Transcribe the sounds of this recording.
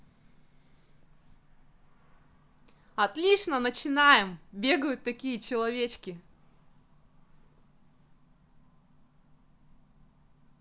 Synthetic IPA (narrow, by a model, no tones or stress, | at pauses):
ɐt̪lʲiʂnənət͡ɕɪnajɪmbʲe̞ɡəjʊt̪ːɐkʲijət͡ɕɪlˠɐvʲet͡ɕkʲɪ